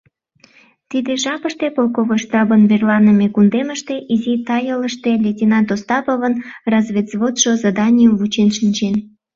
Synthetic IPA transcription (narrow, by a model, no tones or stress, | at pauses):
t̪id̪eʒɑpəʃt̪epolkoβojʃt̪ɑbənverlɑnəmekund̪eməʃt̪eʔizit̪ɑjələʃt̪elʲetʲinɑd̪ost̪ɑpovənrɑzβet̪z̥βot̪ʃozɑd̪ɑnʲijumvut͡ɕenʃinʲt͡ɕen